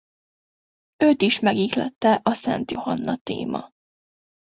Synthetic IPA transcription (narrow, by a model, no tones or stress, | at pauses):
øːt̪iʃmɛɡiklɛ̰t̪ːɛʔɒsɛ̰nt̪jo̞hɒnːɒt̪ḛːmɒ̰